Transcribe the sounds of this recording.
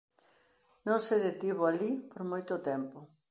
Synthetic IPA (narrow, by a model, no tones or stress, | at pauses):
nõŋseðet̪iβoalipoɾmojt̪ʊt̪ɛmpo